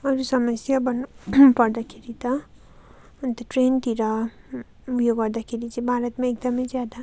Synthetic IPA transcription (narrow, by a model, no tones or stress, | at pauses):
ʌɾusʌməsjabʌnupʌɾd̪akʰeɾit̪ʌ | nt̪ʌʈɾent̪iɾʌ | upʰjoɡʌɾd̪akʰeɾit͡sĩbʱaɾʌt̪meek̚d̪ʌmʌjzjad̪a